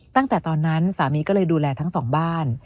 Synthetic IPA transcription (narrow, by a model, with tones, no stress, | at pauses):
t̪a˥˩ŋt̪ɛː˨˩t̪ɔː˧nːa˦˥nsaː˩˦miː˧˦kɔː˥˩ɤː˧jduː˧lɛː˧t̪ʰa˦˥ŋsɔː˩˦ŋbaː˥˩n